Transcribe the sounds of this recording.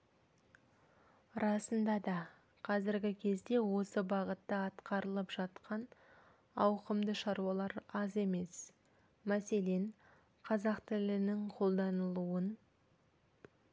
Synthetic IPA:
ɾɑsənd̪ɑd̪ɑ | qʰɑzɪɾɡʲɪkʲʰe̞zd̪e̞wo̞səbɑʁət̪ːəɑt̪qɑɾəlˠəpʒ̥ɑt̪qɑn | ɑwqəmd̪əʃɑɾuwɑlˠɑɾɑze̞me̞s | mæse̞le̞n | qʰɑzɑqt̪ʰɪlɪnɪŋqʰo̞lˠd̪ɑnəlˠuwən

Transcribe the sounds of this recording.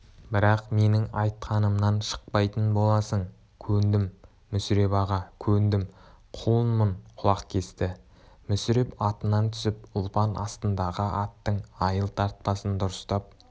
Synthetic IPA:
bɪɾɑqme̞nɪŋɑjt̪qʰɑnəmnɑnʃə̥q̚pɑjt̪ənbo̞lˠɑsəɴ | kʲʰɵnd̪ɪmː | ʏsɾe̞pɑʁɑkʲʰɵnd̪ɪm | qʰuənməɴqʰʊlˠɑqkʲʰe̞st̪ɪ | mʏsɾe̞pɑt̪ənɑnt̪ʰʏ̥sɪpʊlˠpɑnʔɑ̰st̪ənd̪ɑʁəʔɑt̪ːəɴɑjəlˠt̪ʰɑɾt̪̚pɑsənd̪ʊɾəst̪ɑp̚

